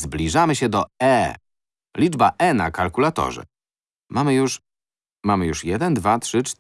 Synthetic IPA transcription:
zblʲiʐamɘɕɛd̪ɔɛ | lʲid͡ʐbaʔɛna̰kalkulat̪ɔ̰ʐɛ̰ | mamɘjuʂ | mamɘjuʂjɛd̪ɛnd̪vat̪ʂɘt͡ʂ

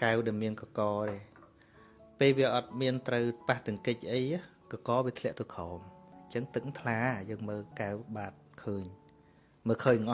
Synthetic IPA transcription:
kawɗamiənkɑkɑːɾeː | peːlʋiəʔɑt̪̚miənt̪rəwpaht̪ɨəŋkɨc̚ʔəja | kɑkɑːʋiət̪ʰlɛ̆əʔt̪əwkʰɑːmt͡ɕəŋt̪ɨk̚t̪ʰlaːjəːŋməːlkawɓaːt̪̚kʰəːɲ | məːkʰəːɲŋʔɑ

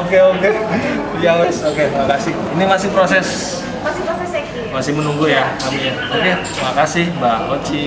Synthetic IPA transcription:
okeoke | iawɛsoket̪ɾimakasɪhinimasɪhpɾosɛs | masɪposɛsk | masɪhmənuŋɡujaamiɲa | oket̪ɾimakasɪhbaɦot͡ʃi

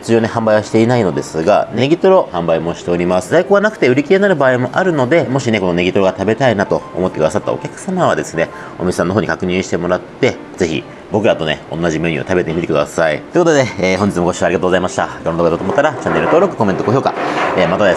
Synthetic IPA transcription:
t͡sɨʑo̞ːne̞hãmbaiβaɕi̥t̪e̞inaino̞d̪e̞sɨɡa̰ne̞ɡʲit̪o̞ɾo̞hãmbaimo̞ɕi̥t̪e̞oɾʲimasɨzaiko̞ːɡanakɯ̟̥t̪eɯ̟ɾʲikʲiɾe̞naɾɯ̟baːimo̞ʔaɾɯ̟no̞d̪e̞mo̞ɕine̞kono̞ne̞ɡʲit̪o̞ɾo̞ɡat̪abe̞t̪ainat̪o̞̰ːmo̞t̪ːekd̪asat̪ːa̰o̞̰kʲakɯ̟̥samaβ̞ad̪e̞sɨne̞ | o̞mʲisesãnːo̞ɦoːɲḭkʰakɯ̟ɲ̟ĩɕi̥t̪e̞mo̞ɾat̪ːe̞ | ze̞çḭ | bo̞kɯ̟ɾat̪o̞ne̞̰õ̞̰nːaʑimeːɲ̟iot̪abe̞t̪e̞mit̪ekɯ̟d̪asaḭt̪oɯkot̪od̪eːɦõ̞ɲd͡ʑit͡sɨmoo̞ɕiːβaɾʲiɡat̪oːɡozaimaɕi̥t̪akʲonod̪oɡad̪ot̪omot̪ːaɾat͡ɕãnːeɾɯ̟t̪o̞ːɾo̞kɯ̟ko̞mẽ̞nt̪oko̞çjo̞ːka̰eːmat̪ad̪e

